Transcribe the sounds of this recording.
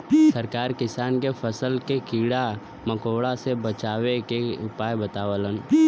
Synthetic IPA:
səɾkaːɾkɪsaːnkepʰəsəlkekiːɽa | məkoːɽasebət͡ʃaːwekeʊpaːebət̪aːʋələn

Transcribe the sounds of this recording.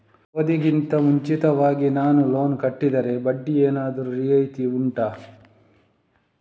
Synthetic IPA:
od̪iɡint̪ɐmuɲt͡ʃit̪ɐʋaːɡinaːnulo̞ːnkɐʈːid̪ɐɾe̞bɐɖːieːnaːd̪ɐɾuɾijɐjt̪iuɳʈaː

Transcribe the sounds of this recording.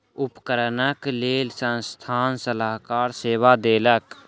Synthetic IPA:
ʊpkəɾnəkleːlsə̃nst̪ʰaːnsəlaːɦkaːɾseːʋad̪eːlək

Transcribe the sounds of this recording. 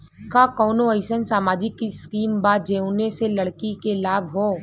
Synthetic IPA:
kakɔːnoəɪsənsaːmaːd͡ʒikːiskiːmbaːd͡ʒeːʊneselɐɽkikelaːbʱɦoː

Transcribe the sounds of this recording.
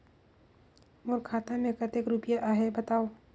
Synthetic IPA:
mʊɾkʰaːt̪amẽkət̪ekɾupjaʔaɦebɐt̪aːo

